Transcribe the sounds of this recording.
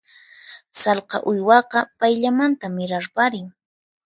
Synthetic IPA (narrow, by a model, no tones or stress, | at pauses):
sɑlqɑ̰ʔʊjwɑqɑpajʎamant̪amɪɾaɾpaɾɪŋ